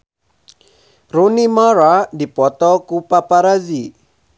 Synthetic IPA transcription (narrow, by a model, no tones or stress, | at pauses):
runimaɾadipɔt̪ɔkupapaɾazi